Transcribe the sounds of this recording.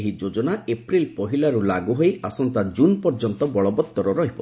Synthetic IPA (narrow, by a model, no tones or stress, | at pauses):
ɦid͡ʒod͡ʒɔnaepɾilpɔɦilaɾulaɡuɦojʔasɔnt̪ad͡ʒunpɔɾd͡ʒɔnt̪ɔbɔɭɔbɔt̪ːɔɾɔɾɔɦipɔ